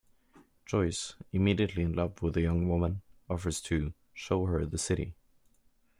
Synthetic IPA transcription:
ʒ̥ɔɪsɨmiɾiɨtˡliɨ̃nlʌvwəðɨjʌ̃ŋwʊmə̃nɔfə˞z̥tʰɨ | ʃoʊɦə˞ðɨsɪɾḭ

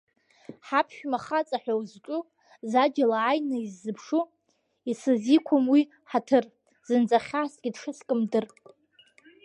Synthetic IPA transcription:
ħapʰʃᶣmaχat͡sʼaħʷᶣawzt͡ʃʷʼʊ | zad͡ʒalaːjnɨizːɨpʰʂu | isɨzikʷʰomwi | ħatʰɨr | z̥ɨnd͡zaχʲasɡʲidʂɨskʼɨmdɨr

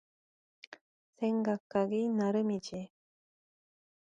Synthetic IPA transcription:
sʰeŋɡakʰːaɡinaɾɯmid͡ʑi

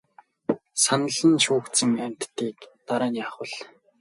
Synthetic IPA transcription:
sanə̆ɮə̆nʃuːkt̪t͡sə̆ŋam̥ʲt̪ːiːkt̪aɾaːnjaːχwə̆ɮ

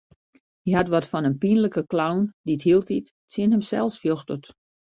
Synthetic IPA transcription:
iɦatʋɔtfɔnənpinləkəklawndithiəlˠtit | sjɪənɦəmsɛ̰lˠsfjoxtət

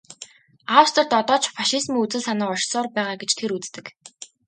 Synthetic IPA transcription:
awst̪ə̆rt̪ɔt̪ɔːt͡ɕfaʃizmiːut͡sɘ̆ɮsanəːɔʃsɔːrpæːʁaːɡet͡ɕt̪ʰeɾut͡st̪ɘ̆k

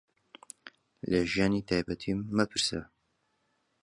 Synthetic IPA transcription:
ləʒijaːnit̪ʰaːjbɛt̪ʰimːɛpʰɨɾsɛ̰

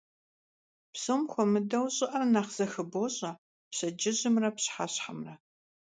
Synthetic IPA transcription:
psoːmxʷɔmɨdɐwɕʼɪʔɐnaːχz̥ɐxɨboɕʼɐ | pɕɐd͡ʒɪʑɪmrɐpɕħaɕħamrɐ

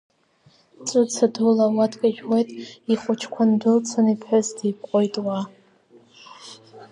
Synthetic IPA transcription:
t͡sʼʊt͡sʰadulawadʰkʼaʒᶣwojtʼiχʷʊt͡ʃʰkʷʰandɨlt͡sʰanipʰħʊzdip̚ʼqʼojtʼwa

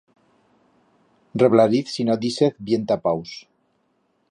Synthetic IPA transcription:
reβlaɾiθsinodiseθbjent̪apaws

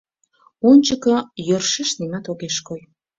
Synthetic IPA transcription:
unʲt͡ɕəkɤ̆jørʃeʃnimɑt̪oɣeʃkoj

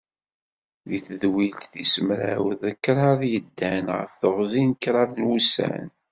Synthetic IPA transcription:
ðiθəðwilθisəmɾæ̰wðəkːɾˤɑðjəd̪ːænʁə̰fθəʁzinkːɾˤɑvnwusæ̰n

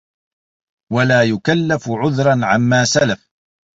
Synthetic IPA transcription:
walaːjʊkalːafʕʊðɾˤɑnʕamːaːsalaf

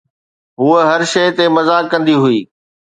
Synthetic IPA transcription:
ɦuːəɦɐɾʃɐjt̪emɐzaːkːɐ̃nd̪iɦʊiː

